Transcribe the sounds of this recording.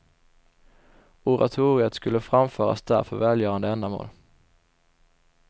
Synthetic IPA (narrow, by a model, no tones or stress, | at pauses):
ʊɾa̰t̪ʰuːɾɪət̪skɵlːəfɾamføːɾa̰sd̪æ̰ɾfœɾvɛːljœːɾand̪əɛnd̪amo̰ːl